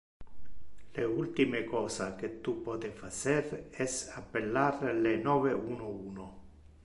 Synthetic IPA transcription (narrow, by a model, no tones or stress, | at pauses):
leult̪imekɔːsak̟et̪ːupːɔːt̪efasɛɾɛsapːelːarlenɔːveuːnouːno